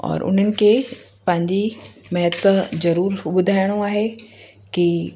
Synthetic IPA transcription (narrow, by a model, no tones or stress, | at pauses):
ɔ̰ːɾʔʊ̰n̤ənɪ̆kʰe | pɐ̃ɦɪ̃ɲd͡ʑimɐɦət̪wzɐɾuːɾɓʊd̪ʱaːɪɽ̃ũaːɦe | ki